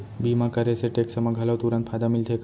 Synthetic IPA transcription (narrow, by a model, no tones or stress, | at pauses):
bimakaɾeseʈeksəmaɡʱalaʋt̪uɾãnt̪pʰad̪amilt̪ʰek